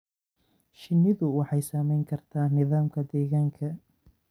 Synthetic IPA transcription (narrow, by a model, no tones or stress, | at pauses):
ʃɪnːɪðʊwɑħɑjsaːmɛjŋkʰɐrt̪ʰaːnɪðaːmkʰɐd̪ɛːɣaːŋkʰɐ